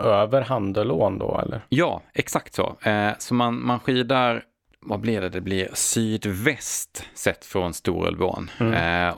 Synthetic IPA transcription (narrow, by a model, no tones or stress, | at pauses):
øːvəɾɦand̪əloːnd̪ɔ̰ɛ̰lːəɾjɑ̰ːɛksakt̪sɔ̰sɔmanmanɧiːd̪aɾ | vablɪɾɖɛd̪ɛblɪɾsyːd̪vɛst̪sɛt̪ːfɾɔnst̪uːɾɛ̰lvo̰ːn